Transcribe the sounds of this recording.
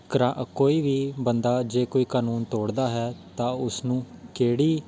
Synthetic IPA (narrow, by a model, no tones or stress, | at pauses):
kəɾaʔkoːiːʋiːbənd̪aːd͡ʒeːkoːiːkaːnuːnt̪oːɽd̪aːɦɛːt̪ãːʊsnũːkeːɽiː